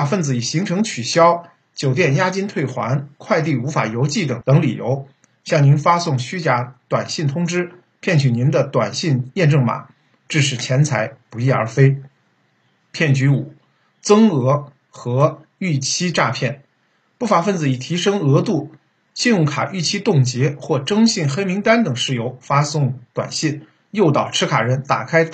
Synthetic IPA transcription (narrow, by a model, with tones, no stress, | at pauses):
a˨˩fə˥˩nd͡zɹ̩˩i˨˩ɕi˧˥ŋʈ͡ʂʰɤ˧˥ŋt͡ɕʰy˨˩ɕjɑ˥ʊ | t͡ɕjo˨˩ʊt̪̬jɛ˥˩nja˥t͡ɕi˥nt̪ʰwe˥˩ɪxwa̰˧˥nkʰwa˥˧ɪt̪̬i˥˩u˧˥fa̰˨˩jo˧˥ʊt͡ɕi˥˩t̪ɤ˨˩ŋt̪ɤ˧˥ŋlḭ˨˩jo̰˧˥ʊ | ɕjɑ˥˩ŋni˧˥nfa˥sʊ˥˩ŋɕy˥t͡ɕja˧˥t̪wa˨˩nɕi˥˩nt̪ʰʊ˥ŋʈ͡ʂɻ̩˥ | pʰjɛ˥˩nt͡ɕʰy˨˩ni˧˥nd̪ə˧t̪wa˨˩nɕi˥˧njɛ˥˧nʈ͡ʂɤ˥˩ŋma̰˨˩˦ | ʈ͡ʂɻ̩˥˩ʂɻ̩˨˩t͡ɕʰjɛ˧˥nt͡sʰa˧˥ɪpu˧˥i˥˩ə̰˞˧˥fe˥ɪ | pʰjɛ˥˩nt͡ɕy˧˥u˨˩˦ | t͡sɤ˥ŋɤ˧˥ | xɤ˧˥ | y˥˩t͡ɕʰi˥ʈ͡ʂa˥˧pʰjɛ˥˩n | pu˥˩fa˧˥˩fə˥˩nd͡zɹ̩˧˩i˨˩t̪ʰi˧˥ʂɤ˥ŋɤ˧˥t̪u˥˩ | ɕi˥˧njʊ˥˩ŋkʰa̰˨˩ʔy˥˩t͡ɕʰi˥t̪ʊ˥˩ŋt͡ɕjɛ˧˥xwɔ˥˩ʈ͡ʂɤ˥ŋɕi˥˩nxe˥ɪmi˧˥ŋt̪a˥nt̪ɤ˨˩ŋʂɻ̩˥˩jo˧˥ʊfa˥sʊ˥˩ŋt̪wa̰˨˩nɕi˥˩n | jo˥˩ʊt̪ɑ˨˩ʊʈ͡ʂʰɻ̩˥kʰa˨˩ɻə˧˥nt̪a̰˨˩kʰa˥ɪ